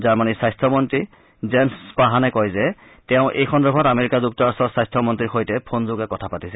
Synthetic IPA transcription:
zaɹmanisajstʰɔmɔntɹi | zɛmspaɦanɛkɔjzɛ | tɛʊ̃ʔejxʰɔndɔbʱɔtameɹikazuk̚tɔɹastɔsajstʰɔmɔntɹiɹxojtɛpʰonzoɡɛkɔtʰapatisɛ

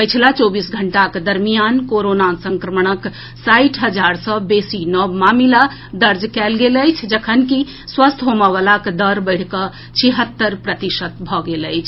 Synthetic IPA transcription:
pəjt͡ʃʰlat͡ʃobisɡʱəɳʈaked̪əɾmijankoɾonasəŋkɾəməɳ̃ək | sajʈʰɦəd͡ʒaɾsəbesinɔbmamila | d̪əɾd͡ʒkɛlɡeləjt͡ʃʰd͡ʒəkʰənki | swəst̪ʰɦoməβalaked̪əɾbəɪɽ̤kə | t͡ʃʰiɦət̪ːəɾpɾət̪iʃət̪̚bʱɔɡeləjt͡ʃʰ

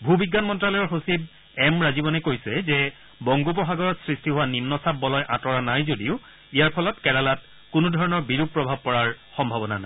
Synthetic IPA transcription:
bʱubiɡːanmɔntɹalɔjɔɹxosib̚ | ɛmɹazibɔnɛkojsɛzɛ | bɔŋɡup̬ɔxaɡɔɹɔtsɹistiɦʊwanimnɔsab̚ːɔlɔjʔãtɔɹanajzodiʊ | ijaɹpʰɔlɔtkɛlalat | kʊnʊdʱɔɹɔnɔɹbiɹub̚pːɹɔbʱab̚pɔɹaɹxɔmbʱabɔnanajj

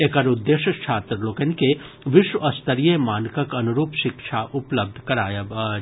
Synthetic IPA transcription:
ekɐɾʊd̪ːeːʃət͡ʃʰaːt̪ɾlokenke | ʋɪʃwɐst̪əɾijemaːnkəkɐnʊɾuːpʃɪkʃʰaʔʊpləb̚d̪ʱkɐɾaːjɐba

